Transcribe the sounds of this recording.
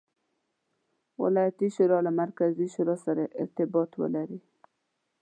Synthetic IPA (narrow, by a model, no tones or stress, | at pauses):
wɪ̰lɑjat̪iʃʊɾɑlamaɾkaziʃʊɾɔsaɾaʔɪ̰ɾt̪ɪbɔt̪wə̰laɾi